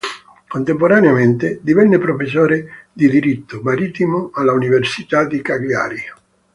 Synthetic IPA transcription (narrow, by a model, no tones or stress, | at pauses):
kont̪empoɾaneament̪ɪd̪ivɛnːɪpɾofes̬ːɔːɾed̪id̪iɾit̪ːʊmaɾit̪ːimʊalːauniversit̪ad̪ikaɡja̰ːɾi